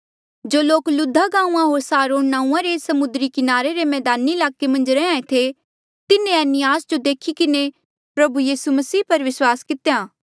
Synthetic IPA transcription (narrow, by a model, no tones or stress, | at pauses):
d͡ʒoːloːklʊd̪ʱːaɡãːũãɦoːɾsaːɾoːɽnãːũãɾesɐmʊd̪ɾikɪnaːɾeɾemɛːd̪aːniɪlaːkemɐ̃nd͡ʒɾɛãːẽt̪ʰe | t̪ɪnẽɛnɪjaːsd͡ʒod̪eːkʰikɪne | pɾɐbujiːsumɐsiːpɐɾʋɪswaːskɪt̪ejaː